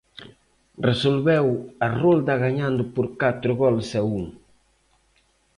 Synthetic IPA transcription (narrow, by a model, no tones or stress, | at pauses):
resolβɛwarold̪aɣaɲãnd̪ʊpoɾkat̪ɾʊɣɔlsɛuŋ